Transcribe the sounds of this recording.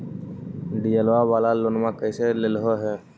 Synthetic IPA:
ɖijəlʋaʋaːlalonmãkəɪselelɦoɦɛː

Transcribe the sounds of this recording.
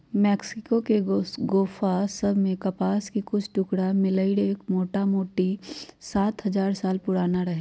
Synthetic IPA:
mɛːksɪkokeɡoːfʰasɐbʱmẽkɐpaːskikʊt͡ʃʰʈʊkɽamɪləɪɽeːkmoːʈamoːʈisaːt̪ɦɐzaːɾsaːlpʊɽaːnaɾɐɦeː

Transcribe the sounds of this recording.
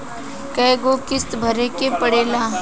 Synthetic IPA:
kɐjɡokɪst̪bʱəɾekepəɽeːlaː

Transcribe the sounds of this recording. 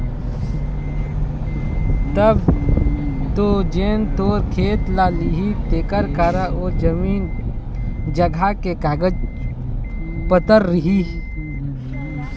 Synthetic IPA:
t̪əb | t̪od͡ʒeːnt̪oːɾkʰeːt̪laːliɦit̪eːkəɾkaɾaoːɾd͡ʒəmiːn | d͡ʒəɡʱakekaːɡəd͡ʒ | pət̪əɾːɪɦi

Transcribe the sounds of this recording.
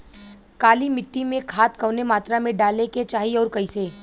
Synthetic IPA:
kaːlimɪʈːimẽkʰaːt̪kɐʋnemaːt̪ɾamẽɖaːleket͡ʃaːɦiɔːɾkɐĩseː

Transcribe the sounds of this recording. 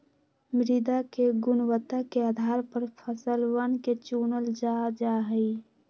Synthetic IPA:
mɾid̪akeɡʊnwət̪ːakeaːd̪ʱaːɾpəɾpʰəsəlwənket͡ʃuːnəld͡ʒad͡ʒaːɦəi

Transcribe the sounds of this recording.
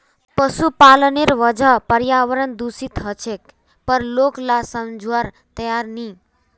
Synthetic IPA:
pəsupaləneɾʋəd͡ʒʱəpəɾjaʋəɾənd̪usit̪ɦət͡ʃʰek | pəɾloklasəmd͡ʒʱaɾ | t̪əjaɾni

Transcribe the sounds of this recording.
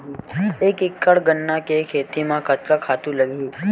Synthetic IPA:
ieːkɪkːəɽɡənːakekʰeːt̪imãkɐt̪kakʰaːt̪ulɐɡiː

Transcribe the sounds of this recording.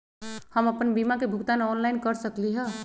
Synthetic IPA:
həməpənbimakebʱukt̪anɔnlainkəɾsəkliɦɛ

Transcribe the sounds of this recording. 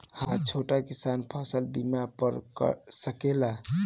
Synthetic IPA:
hãt͡ʃʰoʈakisanpʰəsəlbimapəɾkə̰səkela

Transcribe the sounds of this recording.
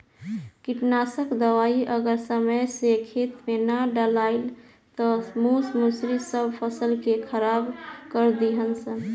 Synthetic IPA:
kiʈnasəkd̪əʋaiʔəɡəɾsəməjsekʰit̪menaɖəlaɪl | t̪ɔmusmusɾisəbʱpʰəsəlkekʰəɾabkəɾd̪iɦənsən

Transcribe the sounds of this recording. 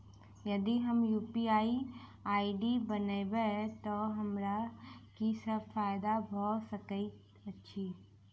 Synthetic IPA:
jɐd̪iɦɐmjuːpiaːiaːiɖibɐnebɛt̪oɦɐmɾakisɐbfaːjɪd̪abʱɔːt̪sɐkəi | ɐtːʃʰiː

